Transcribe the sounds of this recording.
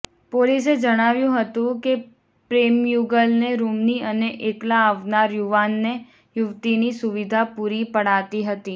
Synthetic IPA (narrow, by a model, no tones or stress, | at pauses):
polis̬ed͡ʒəɽ̃aʋjũɦət̪ũke | pɾemjuɡəlneɾumniəneʔeklaːʋnaɾjuʋanːe | jʊʋt̪inisʊʋid̪ʱapuɾipəɽ̤at̪iɦət̪i